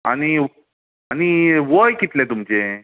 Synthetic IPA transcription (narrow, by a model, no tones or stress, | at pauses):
a̰ñi | aniʋojkit̪lẽt̪umt͡ɕe